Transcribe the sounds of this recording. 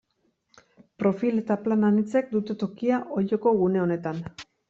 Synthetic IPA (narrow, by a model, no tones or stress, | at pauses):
pɾo̞file̞t̪aplananit͡se̞k̚d̪ut̪e̞t̪o̞kiaʔo̞ʎoko̞ɣune̞o̞ne̞t̪an